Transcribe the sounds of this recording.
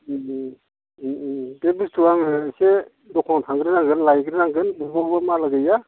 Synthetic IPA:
bebɯstuaŋɯse | dɔkʰɔŋtʰaŋɡɾɯnaŋɡɯnlajɡɾɯnaŋɡɯnbubɔhbamalaɡɯja

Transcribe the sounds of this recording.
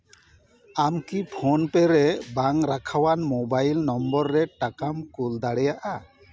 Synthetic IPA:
amkipʰonpɛɾɛbaŋɾakʰawanmobajlnɔmbɔɾːɛʈakamkuld̪aɽɛjaʔa

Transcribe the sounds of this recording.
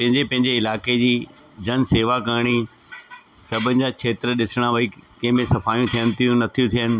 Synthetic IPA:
pɐ̃ɦɪ̃ɲd͡ʑepɐ̃ɦɪ̃ɲd͡ʑeɪlaːked͡ʑiː | d͡ʑɐnseːʋakɐɾɽ̃i | sɐbʱənɪ̆d͡ʑaːkʰeːt̪ɾəɗɪsɪɽ̃aʋɐikɐ̃ɦɪ̃mẽsɐfaːjũt̪ʰijənɪ̆t̪ʰijũnɐt̪ʰijũt̪ʰijənɪ̆

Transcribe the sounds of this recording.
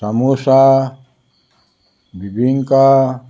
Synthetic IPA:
samusa | bibiŋka

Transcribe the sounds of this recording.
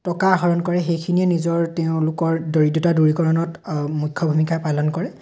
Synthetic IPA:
tɔkaɦɔɹɔnkɔɹɛxejkʰiniɛnizɔɹteʊ̃lʊkɔɹdoɹidɔtaduɹikɔɹɔnɔtmukʰːɔbʱumikʰajpalɔnkɔɹɛ

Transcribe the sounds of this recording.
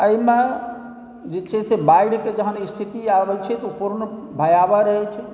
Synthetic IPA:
əime | d͡ʒet͡ʃɛsebaiɽked͡ʒəɦənist̪ʰit̪iabɛt͡ʃʰɛt̪upuɾnbʱəjabaɾəɦɛt͡ʃʰɛ

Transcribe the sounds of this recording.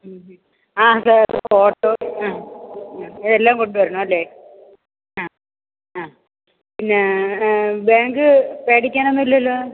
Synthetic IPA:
aːsaːɾfoːʈːoːa | iðelːaːmkoɳɖɨʋɐɾuɳuɐlːeː | aː | aː | pinːe | baːŋɡɨpeːʈikʲːaːnonːuilːɐɐlːoː

